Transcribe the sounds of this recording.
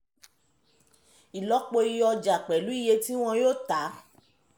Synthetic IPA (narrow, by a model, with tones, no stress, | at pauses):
i˨lɔ˨˦k͡po˧i˧ɔ˧d͡ʒa˨k͡pɛ˨lu˨˦i˦˨je˧ti˦w̃ɔ̃˧joː˦˨ta˨˦